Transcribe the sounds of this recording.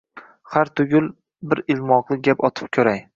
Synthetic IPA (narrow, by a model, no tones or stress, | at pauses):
haɾt̪ʰʊɡʲʊlˠ | bɪɾɪlˠmɒqlˠɪɡʲapɒt̪ʰɪ̥p̚kʲʰɵɾaj